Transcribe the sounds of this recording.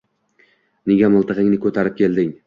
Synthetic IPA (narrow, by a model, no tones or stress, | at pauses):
neɡʲamʊlˠt̪ʰɨʁɪŋnɪkʰɵt̪ʰaɾɪp̚kʲʰe̞ld̪ɪŋ